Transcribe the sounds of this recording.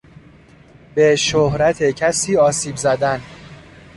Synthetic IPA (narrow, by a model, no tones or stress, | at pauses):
b̥eʃohɾæt̪ʰecʰæsiːɒːsiːbzæd̪æn